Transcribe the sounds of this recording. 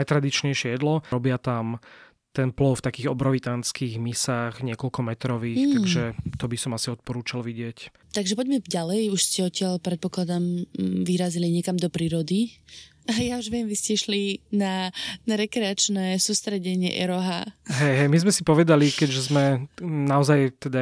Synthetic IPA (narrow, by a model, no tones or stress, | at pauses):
ajt̪ɾad̪it͡ʃɲɛjʃɪɛjɛd̪lɔɾɔbɪat̪am | t̪ɛnplɔʊft̪akiːɣɔbɾɔʋit̪ant͡skiːɣmisaːɣɲɪɛkɔlkɔmɛt̪ɾɔʋiːxt̪aɡʒɛt̪ɔbisɔmasiɔt̪̚pɔɾuːt͡ʃalʋiɟɪɛc | t̪aɡʒɛpɔɟmɛɟalɛjuʃscɛɔtcɪalpɾɛt̪̚pɔklad̪amʋiɾaziliɲɛkamd̪ɔpɾiːɾɔd̪i | jauʒʋɪɛmʋiscɛʃlinanaɾɛkɾɛat͡ʃnɛːsuːst̪ɾɛɟɛɲɪɛ̰ʔɛ̰ɾɔɦaɦɛjɦɛjmizmɛsipɔʋɛd̪alikɛɟʒɛzmɛnaɔzajt̪ɛd̪a